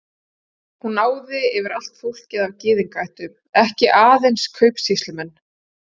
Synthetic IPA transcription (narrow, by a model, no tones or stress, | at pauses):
hunːaːwðɪɛvɪɾal̥t̪fowl̥cɪðavcɪːðiŋkajht̪ʏm | ɛhcɪʔaːðejnskʰœɥpsist̪lʏmɛnː